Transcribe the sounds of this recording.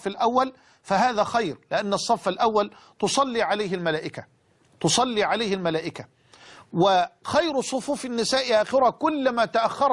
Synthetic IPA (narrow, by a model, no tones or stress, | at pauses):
falʔawːal | faɦaːðæːxajɾlɪʔanːɑsˤːɑfːalʔawːal | t̪ʊsˤɑlːiːʕalajhɪlmalaːʔɪka | t̪ʊsˤɑlːiːʕalaːhɪlmalaːʔɪka | wɪxajɾsˤʊfuːfɪnːɪsaːʔɪʔaːxɪɾakʊlːamat̪aʔaxːɑɾˤ